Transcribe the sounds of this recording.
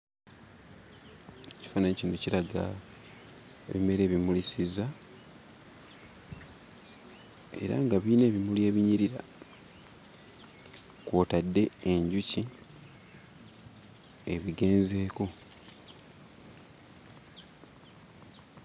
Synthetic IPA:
ci̥faːnanɲecinociɾaɡa̰ | ḛβime̞ɾe̞ːβimulisiza | e̞̰ɾa̰ŋɡaβiːne̞ːβimulje̞ːβiɲiɾiɾa̰ | kwoːtadːe̞eɲɟuci | eβiɡe̞ːnze̞ːko̞

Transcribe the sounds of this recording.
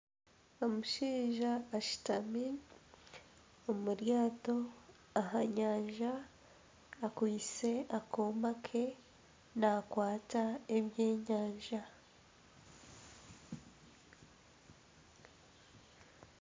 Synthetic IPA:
omuʃiːʒaːʃi̥tami | omuɾjaːto̞ | aɦaɲaːɲʒa | akwiːt͡se̞akʰoːmakʰe̞ | nakwaːtaeβjeːɲaːɲʒa

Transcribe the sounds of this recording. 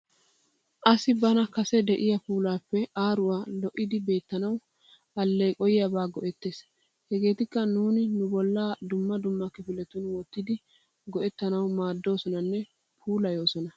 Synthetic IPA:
ʔɐsɪbɐnɐkɐsɛd̪ɛʔɪjɐpuːlaːpːɛaːɾʊwaːlɔʔːɪd̪ɪbe̞ːt̪ːɐnɐw | ɐlːɛjkʼɔjɪjɐbaːɡɔʔɛt̪ːe̞ːs | hɛɡe̞ːt̪ɪkːɐnuːnɪnʊbɔlːaːd̪ʊmːɐd̪ʊmːɐkɪfɪlɛt̪ʊnwɔt̪ːɪd̪ɪ | ɡɔʔɛt̪ːɐnɐwmaːd̪ːo̞ːsɔnɐnːɛ | pʰuːlɐjo̞ːsɔnɐ

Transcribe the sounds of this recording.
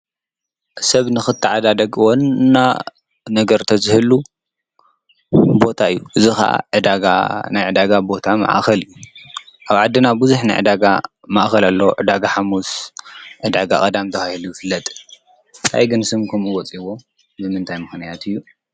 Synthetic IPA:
sɐβnɨxɨt̪ʰːɨʕad̪ad̪ɐɡwɔnːa | nɐɡɐɾt̪ʰɐzɨhɨlu | bo̞t̪ʰaɨjːuʔɨzixɐ̰ʔa̰ʕɨd̪aɡa̰najʕɨd̪aɡabo̞t̪ʰama̰ʔxɐlɨjːuʔaβʕad̪ːɨnabuzuħnajʕɨ̰d̪aɡa̰ | maʔxɐlalːɐwoʕɨd̪aɡaħamusʕɨd̪aɡa̰kʼɐd̪amt̪ʰɐxahilujɨfɨlːɐt̪ʼ | nt̪ʰa̰jɡɨnsɨmkʰɐmuwɔt͡sʼiwo | bɨmɨnt̪ʰajmɨxnijat̪ʰɨjːu

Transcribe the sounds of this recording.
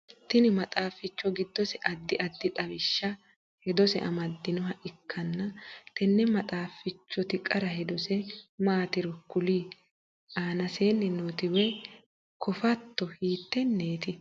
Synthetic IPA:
t̪ɪnɪmɐt̪ʼaːfɪt͡ʃːɔɡɪd̪ːɔsɛʔɐd̪ːɪʔɐd̪ːɪᶑ̪ʼɐβɪʃːɐ | hɛd̪ɔsɛ̰ʔɐ̰mɐd̪ːɪnɔɦɐʔɪkʰːɐnːɐt̪ɛnːɛmɐt̪ʼaːfɪt͡ʃːɔt̪ɪkʼɐɾɐhɛd̪ɔsɛmaːt̪ɪɾɔkːʊliː | aːnɐseːnːɪnoːt̪ɪwɛ | kɔfɐt̪ːɔhiːt̪ːɛnːeːt̪ɪ

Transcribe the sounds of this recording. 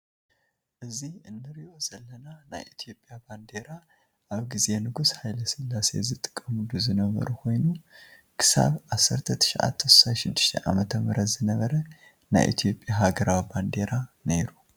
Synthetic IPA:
ʔɨziɨnːɨɾiʔo̞z̥ɐlːɐnana̰jʔit̪ʰijo̞pʼːjaband̪e̞ɾa | ʔaβɡize̞nɨɡushajlɐsɨlːase̞̰zɨt̪ʼɨ̥kʼːɐmud̪uzɨnɐβɐ̰ɾukʰo̞jnu | kʰɨ̥sa̰βʔasːɐɾt̪ʰɐt̪ʰɨ̥ʃʔa̰t̪ʰːɐsu̥saʃɪd̪ːɨʃt̪ʰɐ̰ʔa̰mɐt̪ʰɐmɨɾɐt̪zɨnɐβɐɾɐ | na̰jʔḭt̪ʰjo̞pʼjaɦaɡɐɾawiband̪e̞ɾane̞ɾu

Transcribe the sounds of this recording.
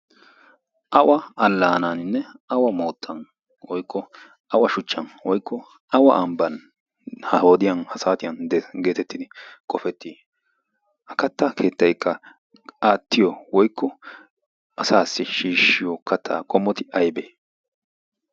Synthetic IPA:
ʔɐwʔɐɐlːaːnanɪnːɛɐwɐmo̞ːt̪ʰːɐn | wɔjkʰːɔ | ʔɐwɐʃʊt͡ʃːɐnwɔjkːɔ | ɐwɐ̰ʔɐmbɐn | hɐho̞ːd̪ɪjɐnhɐsaːt̪ɪjɐnd̪ɛɡe̞ːt̪ɛt̪ːɪd̪ɪkʼɔfɛt̪ːiː | hɐkɐt̪ːɐkʰe̞ːt̪ːɐjkːɐ | aːt̪ːɪjɔwɔjkːɔ | ʔɐsaːsːɪʃiːʃːɪjɔkʰɐt̪ʰːa̰ːkʼɔmːɔt̪ɪʔɐjbeː

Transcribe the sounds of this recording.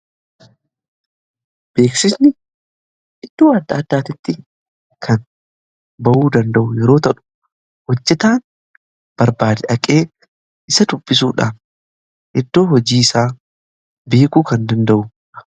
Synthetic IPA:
b̥e̞ːksɪsnɪ | ʔɪd̪̥ːoːɐd̪ːaːd̪ːaːt̪ɪt̪ːɪ | kʰɐn | bɐʔuːd̪ɐnd̪ɐʔʊjɛɾo̞ːt̪ɐʔʊ̥ | wɔd͡ʒːɛt̪aːn | b̥ɐɾbaːd̪ɛʔɐkʼe̞ː | ʔɪsɐd̪ʊbːɪs̬uːᶑa̰ːn | ʔɪd̪ːo̞ːhɔd͡ʒiːɪsaː | be̞ːkuːkɐnd̪ɐnd̪ɐʔʊ

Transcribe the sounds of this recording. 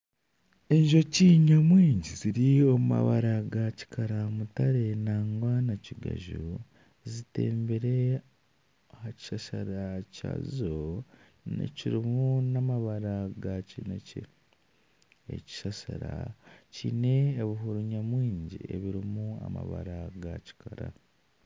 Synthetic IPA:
e̞ɲʒo̞ciɲamwiːɲɟiziɾiomuma̰βaɾaɡaci̥kʰaɾamutaɾe̞naːŋɡwanaciɡa̰ʒu | zite̞̰ːmbeɾe | aaci̥ʃaʃaɾaca̰zizo | nḛciɾimunamaβaɾaɡacinecḛ | ḛci̥ʃaʃaɾaciːne̞ːβiɦuɾuɲamwiːɲɟieβiɾimua̰ma̰βa̰ɾaɡaci̥kʰaɾa

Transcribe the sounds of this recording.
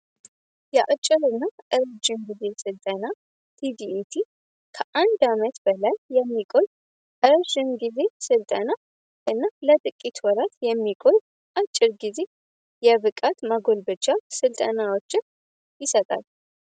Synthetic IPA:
jɛʔat͡ʃʼːɪɾɨnːaʔɨɾd͡ʒɪmɡize̞sɨlt̪ʼəna | t̪ʰid̪iʔit̪ʰi | kʰəʔand̪amət̪bəlajːɛmːikʼo̞j | ʔɨɾʒɪnɡize̞sɨlt̪ʼəna | ʔɨnːalət̪ʼɨkʼːit̪ʰwɔɾat̪jɛmːikʼoj | ʔat͡ʃʼːɪɾɡize̞ | jɛβɨkʼat̪maɡo̞lbɨt͡ʃːasɨlt̪ʼənawo̞t͡ʃːɪn | jɪsət̪ʼa̰l

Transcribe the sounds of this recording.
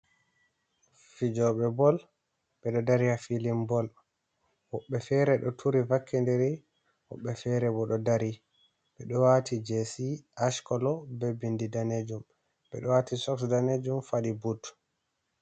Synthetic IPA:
fid͡ʒɔɓɛbɔl | ɓɛɗɔdaɾihafilimbɔl | wɔɓːɛfɛɾɛɗɔtʰuɾivakʰːɛndɛɾi | wɔ̰ɓːɛfɛɾɛbɔɗɔdaɾi | ɓɛɗɔwatʰid͡ʒesiaʃkɔlɔbɛbindidaned͡ʒum | ɓɛ̰ɗɔwatʰisɔksdaned͡ʒumfaɗibut

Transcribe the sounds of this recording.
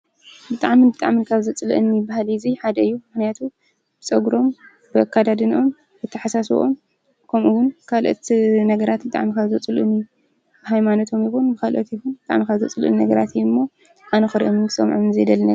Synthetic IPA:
bɨt̪ʼaʕmibɨt̪ʼaʕminkʰaβzɐt͡sʼɨlɨ̰ʔɨnːibahaliziħad̪ɐɨjːumɨxnijat̪ʰu | b̥ɨt͡sʼɐɡɾo̞m | b̥ɨakʰːad̪ad̪ɨnʔo̞m | bɨt̪ʰːɐħasasʔom | kʰɐmʔuwʊnkʰalʔo̰t̪nɐɡɐɾat̪bɨt̪ʼa̰ʕmikaβzɐt͡sʼɨluʔɨnːi | b̥ɨɦajmanot̪ʰo̞mjɪxunbɨkʰalʔot̪jɪxunbɨt̪ʼa̰ʕmikʰaβzɐt͡sʼɨlʔɨ̰nnɐɡɐɾat̪jːɨmːo | ʔanɐxɨɾiʔomɨnɨsɐmʕomnzɐjd̪ɐlnɐ

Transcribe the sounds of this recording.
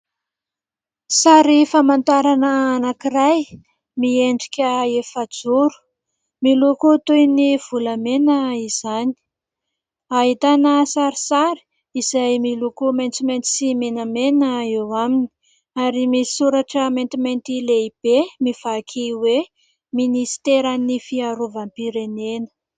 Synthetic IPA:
saɾifamant̪aɾanəːnakiraj | mieɳɖ͡ʐikʲəefad͡zuɾu̥ | milukut̪ujniv̥uləmenəiz̥ani̥ | aɦit̪anəsaɾisaɾi̥ | izajmilukumant͡siment̪i̥simenamenəewamini̥ | aɾimii̥suɾaʈ͡ʂəment̪iment̪ileib̥emiv̥akʰiwe | minisi̥t̪eɾanifiaɾuvampiɾenenə̥

